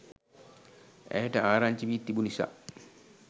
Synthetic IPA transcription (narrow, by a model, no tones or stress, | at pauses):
ʔɛ̰taaɾant͡ʃibit̪ːibunisa̰